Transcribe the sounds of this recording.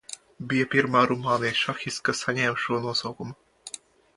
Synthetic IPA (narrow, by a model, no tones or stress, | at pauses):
bʲijapʲiɾmaːɾumɑːnijʃaxʲiskasanʲɛːmʃuɔnuɔsawkuma